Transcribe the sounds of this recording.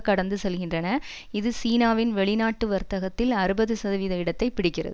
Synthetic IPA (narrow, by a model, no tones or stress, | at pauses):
kɐɽɐnd̪ɯsɛlɣɪndrɐnɐ | ɪðɯsiːnaːʋɪnʋɛɭɪnaːʈːɯʋɐɾt̪ɐɣɐt̪ːɪlɐɾɯbɐðɯsɐðɐʋiːðɐɪɽɐt̪ːɐɪpːɪɽɪkːɪrɐ̰ðɯ